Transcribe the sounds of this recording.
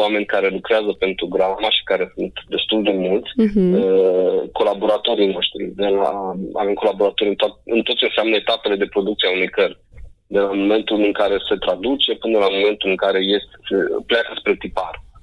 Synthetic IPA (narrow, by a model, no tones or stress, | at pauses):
wame̞nʲkaɾe̞lukɾeazəpe̞nt̪ɾuɡɾamaʃi̥kaɾe̞sunt̪d̪e̞st̪uld̪e̞mult̪sʲəko̞labo̞ɾat̪o̞ɾino̞ʃt̪ɾḭd̪e̞la̰a̰ve̞mko̞labo̞ɾat̪o̞ɾʲɨnt̪atɨ̰nt̪ot̪t͡ʃenseamnəet̪ape̞le̞d̪e̞pɾo̞d̪uk̚t̪siaunejkər | d̪e̞lamo̞me̞nt̪ulɨŋkaɾe̞se̞t̪ɾad̪ut͡ʃe̞pɨnəlamo̞me̞nt̪ulɨŋkaɾe̞je̞st̪esepleakəspɾet̪ipar